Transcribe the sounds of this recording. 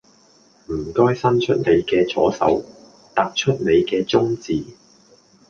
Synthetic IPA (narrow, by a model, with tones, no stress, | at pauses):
m̩˨˩kɔː˥jsɐ˥nt͡ʃʰɵ˥t̚ne˨˧jkɛː˧t͡sʰɔ̰ː˨˥sɐ̰˨˥w | t̪aː˧k̚t͡ʃʰɵ˥t̚ne˨˧jkɛː˧t͡sʊ˥ŋt͡siː˨